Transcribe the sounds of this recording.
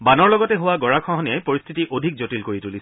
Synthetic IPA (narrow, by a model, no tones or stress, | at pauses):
banɔɹlɔɡɔtɛɦʊwaɡɔɹakʰɔɦɔnijajpoɹist̪ʰitiʔodʱik̚zotilkoɹitulis